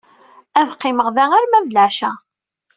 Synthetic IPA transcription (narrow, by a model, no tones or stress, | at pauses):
ævqːɪməʁðæŋæɾmæðlaʕʃæ